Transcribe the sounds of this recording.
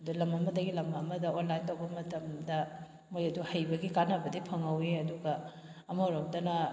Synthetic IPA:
ɐdulɐmɐmɐdɐɡilɐmɐmɐdɐonlːajntɐwbɐmɐtɐmdɐ | mojɐduhɐjbɐɡikanɐbɐdipʰɐŋɐweɐduɡɐ | ɐmɐwɾomdɐnɐ

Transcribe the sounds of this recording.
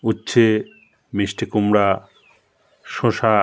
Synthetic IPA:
utːɕʰe | misʈʰekumɾa | ʃõʃa

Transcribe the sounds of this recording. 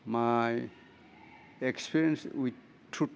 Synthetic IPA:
maj | ekspʰiɾiə̃nswi | tʰːu

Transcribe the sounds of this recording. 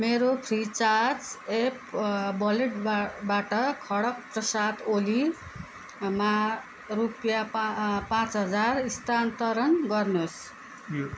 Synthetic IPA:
meɾopʰrit͡sart͡sepbʌleʈbaʈʌkʰʌɽʌk̚prʌsat̪oli | ma | rupjapãt͡sɦʌd͡zarist̪ant̪ʌɾʌnɡʌrnos

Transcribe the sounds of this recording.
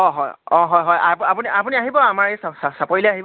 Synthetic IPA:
ɔɦɔjɔ̃ɦɔjɦɔjapapuniapuniaɦibɔamaɹesasasapɔjilɛaɦibɔ

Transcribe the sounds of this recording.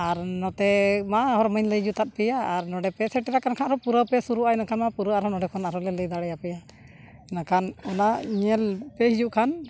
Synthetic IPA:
aɾnɔt̪ɛmaɦɔɾməɲləjd͡ʒut̪at̪̚ˀpɛjaaɾnɔɖɛpɛsɛʈɛɾakankʰanʔɾɔpuɾəpɛsuɾuʔaɛnakʰanmapuɾəaɾɔnɔɖɛkʰɔnaɾɔlɛləjd̪aɽɛjapɛja | ɛnakʰanɔnaɲɛlpɛɦid͡ʒuʔkʰan

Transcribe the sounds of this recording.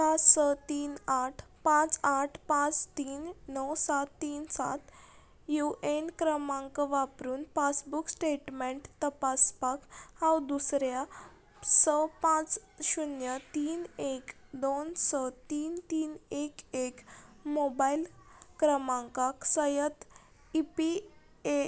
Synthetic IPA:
pãt͡ssət̪iːnaʈʰ | pãt͡saʈʰpãt͡st̪iːnːəwsat̪ːiːnsa̰t̪ | juʔenkɾəmãŋkəʋapɾuːnpasbuksʈeʈmẽɳʈt̪əpaspakhãwd̪usɾja | səpãt͡sɕunjət̪iːnekd̪onsət̪iːnt̪iːnekekmobailkɾəmãŋkaksəjət̪ | ipi | e

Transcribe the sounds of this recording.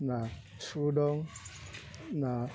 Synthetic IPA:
na | sudɔŋ | na

